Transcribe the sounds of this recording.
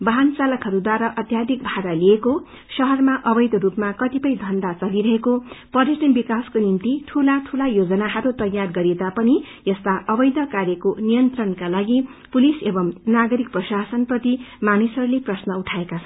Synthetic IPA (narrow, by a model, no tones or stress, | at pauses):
bʌɦant͡salʌkɦʌɾud̪waɾʌʔʌt̪jad̪ʱik̚bʱaɾalieko | sʌɦʌrmaʔʌbʌjd̪ʌrupmakʌt̪ipʌjd̪ʱʌnd̪at͡sʌliɾʌɦekopʌɾisʌnbikaskonimt̪iʈʰulat̪ʰulajod͡zʌnaɦʌɾut̪ʌjarɡʌɾet̪apʌni | jʌst̪aʔʌbʌjd̪ʌkarjʌkonijʌnt̪rʌnkalaɡipulisebʌmnaɡʌɾik̚prʌsasʌnprʌt̪imanisʌɾuleprʌsnʌuʈʰaekat͡sʰʌn